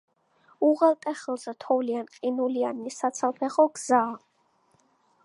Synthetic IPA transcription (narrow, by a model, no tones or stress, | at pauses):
uʁɛlt̪ʼɛχɛlˠsɾt̪ʰɔvlianqʼinulianːisat̪sʰalˠpʰɛχɔɡz̥aː